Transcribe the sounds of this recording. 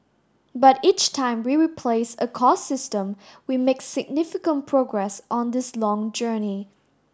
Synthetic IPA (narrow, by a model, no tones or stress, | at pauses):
bʌtit͡ʃtʰãɪ̃mwiɹipʰl̥eɪsəkʰɔsɪstə̃mwimeksɪɡ̚nɪfɪkə̃npʰɹ̥oɡɹɛsɔ̃n̩d̪ɪslɔ̃ŋd͡ʒɜːni